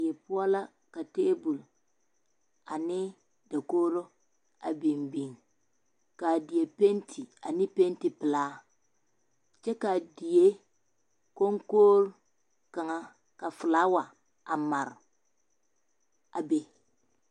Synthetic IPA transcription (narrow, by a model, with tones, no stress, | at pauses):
je˨pʊ˦ɔ˦la˦ | ka˨te˦bu˨l | a˨nɪ˦ | da˨koː˦ɾo˦ | a̰˨bi˨mbi˨ŋ | ka˨dɪ˨e˨pe˦ntʰi˨a̰˨nɪ˦pe˦ntɪ˨pɪ˨laː˦ | t͡ʃɛ˦ka˨di˨je˦ | ko˦ŋkoː˦ɾ | ka˨ŋa˦ | ka˨fɪ˨laː˦wa˨ | a˨ma˨ɾ | a˨be˦